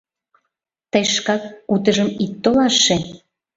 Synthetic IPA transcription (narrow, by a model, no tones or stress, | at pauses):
t̪əjʃkɑkut̪̬əʒəmit̪ːolɑʃːe